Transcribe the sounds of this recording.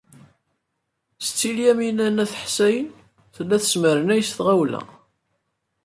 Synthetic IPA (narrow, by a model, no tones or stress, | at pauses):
st͡sːiljæminænæθħsæjən | θəlːæθə̥sməɾənæjsθʁæwlæ̰